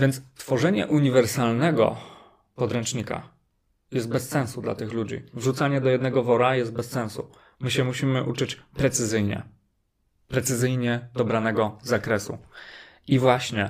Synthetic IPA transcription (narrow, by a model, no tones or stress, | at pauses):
vʲjɛnst̪fɔʐɛɲɛ̰ʔuɲivɛɾsalnɛɡɔ̰ | pɔd̪ɾɛnt͡ʂɲika̰ | jɛst̪̚bɛssɛ̃ñsud̪la̰t̪ɘxlud͡ʑḭvʐut̪saɲɛd̪ɔjɛd̪nɛɡɔvɔɾajɛst̪̚bɛssɛ̃ñsu | mɘɕɛmuɕimɘʔut͡ʂɘt͡ɕpɾɛt̪sɘzɘjɲɛ̰ | pɾɛt̪sɘzɘjɲɛd̪ɔbɾanɛɡɔzakɾɛsu | ivwaɕɲɛ